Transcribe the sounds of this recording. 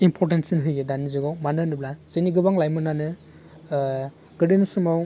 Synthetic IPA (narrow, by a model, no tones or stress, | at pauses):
impʰɔɾtensinɦɯjɡedanizɯɡawmanɯnɯblaz̥eniɡɯbaŋlajmɯnanɯ | ɡ̥ɯdinsumaw